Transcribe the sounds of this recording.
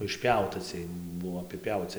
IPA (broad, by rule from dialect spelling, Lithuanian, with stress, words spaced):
ɪʃʲˈpʲɛʊtɐ t͡sʲiɛj ˈbʊʋoː ɐpʲɪˈpʲɛʊt͡sʲɪ